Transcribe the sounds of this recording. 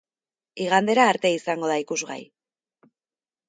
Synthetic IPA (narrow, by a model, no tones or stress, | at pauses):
iɣ̞and̪e̞ɾaːɾt̪e̞isaŋɡo̞ð̞aikuzɣa̰j